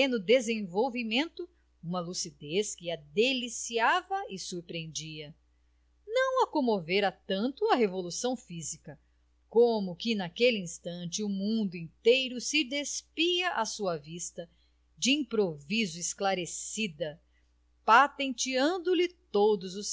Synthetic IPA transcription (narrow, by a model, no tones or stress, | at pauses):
ẽnʊd̪ezẽvowvimẽnt̪ʊ | ũmɐlusid̪eskɪɐd̪elisiavɐɪsuɾpɾiẽnd͡ʒiɐ | nɐ̃w̃ɐkõmoveɾɐt̪ɐ̃nt̪ʊɐɦevolusɐ̃w̃fizikɐ | komʊkɪnakelɪĩst̪ɐ̃nt͡ʃɪʊmũnd̪ʊĩnt̪ejɾʊsɪd̪espiɐʔasuɐvist̪ɐ | d͡ʒɪĩpɾovizʊɪsklaɾesid̪ɐ | pat̪ẽnt͡ʃiɐ̃nd̪ʊlɪt̪od̪ʊzʊs